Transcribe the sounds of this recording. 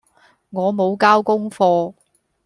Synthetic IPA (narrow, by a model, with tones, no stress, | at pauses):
ŋɔː˨˧mo˨˧wkaː˥wkʊ˥ŋfɔː˧